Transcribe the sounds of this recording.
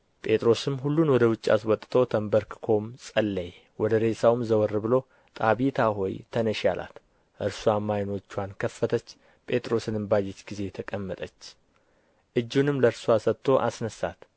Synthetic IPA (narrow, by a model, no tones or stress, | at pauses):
pʼʰe̞t̪ʼɾo̞sɨmɦulːunwɔd̪əwʊt͡ʃʼːia̰swɔt̪ʼt̪ʰo̞t̪ʰəmbəɾkɨkʰo̞msʼəlːəj | wɔd̪əɾe̞sawmzəwɔrːɨbɨlo̞ | t̪ʼaβit̪ʰaɦo̞jt̪ʰənəʃa̰lʔa̰t̪ | ʔɨɾsuamajno̞t͡ʃːuwankʰəfːət̪ʰət͡ʃː | pʼe̞t̪ʼɾo̞sɨnɨmbad͡ʒet͡ʃɡize̞t̪ʰəkʼəmːət̪ʼət͡ʃː | ʔɨd͡ʒːunɨmləɾsuasət̪ʰːo̞ʔasnəsa̰t̪